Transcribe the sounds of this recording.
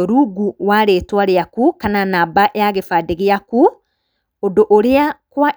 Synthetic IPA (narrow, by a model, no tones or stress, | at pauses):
oɾuɡuwaɾeːtwaɾeakukananabaʔeaɣefadeɣeaku | odoʔoɾeakwa